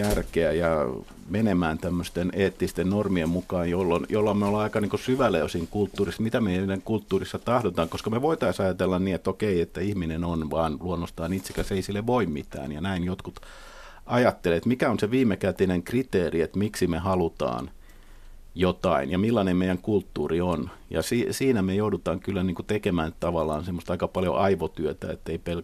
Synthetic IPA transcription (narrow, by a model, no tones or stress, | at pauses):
jærkeæjɑ | menemæːnt̪æmːøst̪eneːt̪ːist̪ennormiemmukɑːnjolːonjolːɑmmeolɑikɑniːŋkusyʋæløysiŋkult̪ːuːrismit̪æmeinidæŋkult̪ːuːrisːɑt̪ɑhdot̪ɑːŋkoskɑmeʋoit̪ɑisɑjɑt̪elːɑnniːet̪okeiet̪ːæihminenonʋɑːnluonːost̪ɑːniːt̪sekæseisilːeʋʋoimmit̪æ̰ːnjɑnæinjot̪kut̪ | ʔɑjɑt̪ːelet̪mikæonseʋiːmːˑekæt̪ineŋkrit̪eːriet̪miksimehɑlut̪ɑ̰ːn | jot̪ɑ̰injɑmilːɑnemmeijæŋkult̪ːuːrion | jɑ̰siːsiːnæmejoudut̪ɑːŋkylːæniːŋkut̪ekemæːnyt̪ɑʋɑlːˑɑːnsemːost̪ɑikɑpɑljo̰ʔɑiʋot̪yøt̪æ̰ḛt̪ːeipel